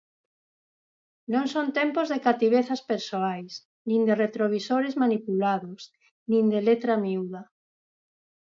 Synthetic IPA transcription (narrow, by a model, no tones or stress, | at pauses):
nõŋsont̪empozðekat̪iβ̞eθaspeɾsoajs | nĩnd̪eret̪ɾoβisoɾezmanipulaðos | nĩnd̪elet̪ɾamiuðɐ